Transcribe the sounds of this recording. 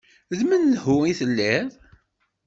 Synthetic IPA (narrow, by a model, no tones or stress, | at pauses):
ðmənlhʊiθəlːɛðˤ